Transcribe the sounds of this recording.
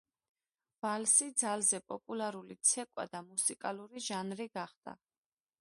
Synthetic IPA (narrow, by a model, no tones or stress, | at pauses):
v̥alsid̪zalzɛpʼɔpʼulaɾulit̪sʰɛkʼwa̰d̪amusikʼaluɾiʒanɾiɡaχd̪̥a̰